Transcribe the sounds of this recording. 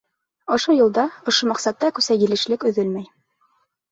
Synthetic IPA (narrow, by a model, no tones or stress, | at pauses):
ŏʃojŭlˠd̪ɑŏʃomæqsɑt̪ːɑkʉsæjɘ̆lɘ̆ʃlɘkɵ̆ðɵlmæj